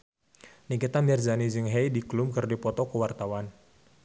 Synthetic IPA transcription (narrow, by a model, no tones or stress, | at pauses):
nikit̪amirzanid͡ʒɨŋɦɛjdiklumkɨrdipɔt̪ɔkəwart̪awan